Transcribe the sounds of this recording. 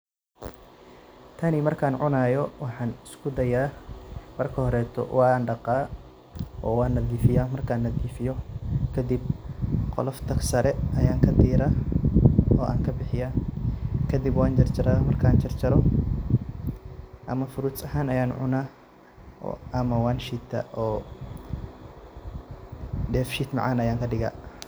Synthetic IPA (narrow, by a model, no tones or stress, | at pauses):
t̪ʰɐnimɐrkʰaːnʕʊnaːjɔwɑħɑːnɪskʰʊd̪ɐjaːmɐrkʰɐhɔɾɛːt̪ʰɔ̰wɑːnɖɑqɑː | ʔɔːwɑːnːɐðiːfɪjaːmɐrkʰaːnːɐðiːfɪjɔkʰɐd̪ib̚qɔ̰lɔft̪ʰɐsɐɾɛɐjaːŋkʰɐd̪iːɾa | ɔːʔa̰ːŋkʰɐbɪħɪjaː | kʰɐd̪ibwaːnt͡ʃɐrt͡ʃɐɾaːmɐrkʰaːnt͡ʃɐrt͡ʃɐɾɔ | ʔɐ̰mɐfʊɾuːt͡sʼɐɦaːnɐjaːnʕʊ̰na̰ | ʔɐmɐwaːnʃit̪ʰɐ̰ʔɔː | ɖɛːfʃiːt̪mɑ̰ʕaːnɐjaːŋkʰɐɖɪɣa̰ː